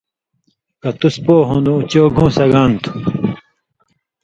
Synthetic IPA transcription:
kɐt̪uspoːɦõnd̪ũːt͡ɕoːɡʱũːsɐɡant̪ʰu̥

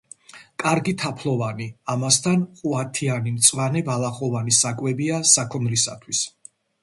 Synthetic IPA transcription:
kʼaɾɡit̪ʰapʰlˠɔvaniamast̪ʰanχʼuat̪ʰianimt̪sʼwanɛbalˠaχɔvanisakʼwɛbiasakʰɔnɾisa̰t̪ʰwis

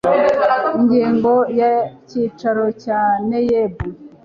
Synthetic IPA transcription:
iɲɟiːŋɡojaciːt͡ʃaɾocanejebu

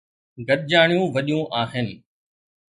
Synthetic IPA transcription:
ɡʱɐɗd͡ʑaːɳ̃jũːʋɐɗijũʔaːɦɪnɪ̆

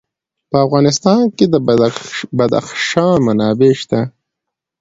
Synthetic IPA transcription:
pəafɣɑːnɪst̪ɑnked̪ə | bad̪a̰xʃɑmanɑːbeʃt̪a

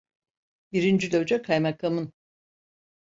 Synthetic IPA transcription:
biɾind͡ʒyd̪ød͡ʒɛkʰajmakʰamɯn

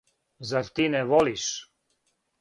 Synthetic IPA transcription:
zaɾt̪inɛʋoliʃ

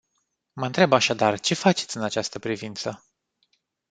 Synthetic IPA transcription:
məɨnt̪ɾe̞baʃad̪art͡ʃe̞fat͡ʃe̞t̪sʲɨnat͡ʃast̪əpɾivint̪sə

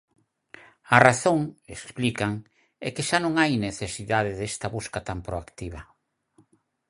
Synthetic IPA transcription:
araθoŋḛssplikaŋ | ɛkeʃanõŋajneθesiðaðɪðest̪aβuskat̪ampɾoakt̪iβ̞ɐ

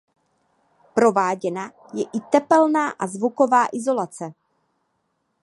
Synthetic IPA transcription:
pɾo̞vaːɟɛna | jɛʔɪt̪ɛpɛlnaːʔazvuko̞vaːʔɪzo̞lat͡sɛ

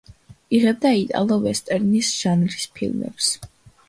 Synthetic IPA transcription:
iʁɛb̚d̪ait̪ʼa̰lˠɔvɛst̪ʼɛɾnisʒ̥anlispʰḭlˠmɛ̰ps

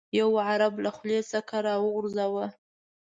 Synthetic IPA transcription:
jawʕaɾablaxlesakaɾɑwəɣʊɾzawə

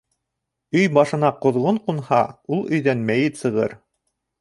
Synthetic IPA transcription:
ɵjbɑʃɤ̆nɑqŏðʁoɴqunhɑulˠɵ̆jðænmæjɘt̪sɤ̆ʁɤɾ

